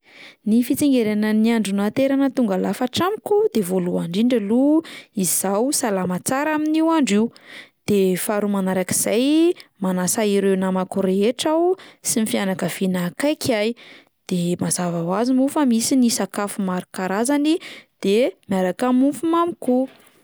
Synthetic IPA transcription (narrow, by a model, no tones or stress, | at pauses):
nifit͡siŋɡeɾanəniaɳɖ͡ʐunat̪eɾanət̪uŋɡalafaʈ͡ʂamkud̪̥evoluaɳɖ͡ʐiɳɖ͡ʐaluizizawsalamat͡saɾaminiwaɳɖ͡ʐiwd̪̥efaɾumanaɾaki̥z̥ajmanasaiɾewnamakuɾeeʈ͡ʂawsimifianakəv̥inakajkaj | d̪̥emazavawazimufəmisinisakafumaɾikaɾazanid̪̥emiaɾakamufumamiku